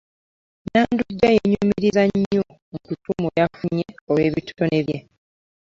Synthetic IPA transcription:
naːnduɟːajeɲumiɾizaɲːo | mukutumojafuɲeolwe̞ːβitu̥one̞βje

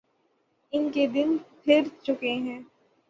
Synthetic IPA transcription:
ɪnked̪ɪnpʰɪɾt͡ʃʊkeɦɛ̃ː

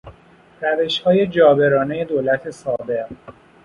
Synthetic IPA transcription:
ræve̞ʃhɒːje̞d͡ʒɒːbe̞ɾɒːne̞je̞d̪oːlæt̪ʰe̞sɒːbe̞ʁ

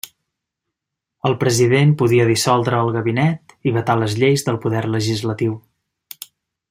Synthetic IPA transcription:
əlˠpɾəziðempuðiəðisɔlˠd̪ɾəːlˠɣəβinɛt̪iβət̪aləzʎejzðəlˠpuðɛrləʒizlət̪iw

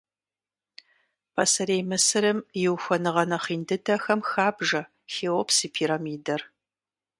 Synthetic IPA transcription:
pʰɐsɐɾejmɨsɨɾɨmjɪwxʷɐnɨʁɐnɐχiːndɨdʰɐxɐmxaːbʒɐ | xeːwopsiːpʰiːɾamiːdɐr

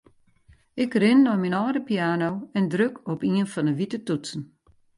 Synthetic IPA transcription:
ɪkrɪnːɔminɔːɾəpiaːnowɛndrøkʰɔpiənfɔnəʋitətutsn̩

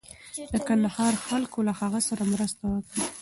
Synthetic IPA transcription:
d̪əkand̪ahɑɾxalkolahaɣasaɾamɾəst̪awəkɽi

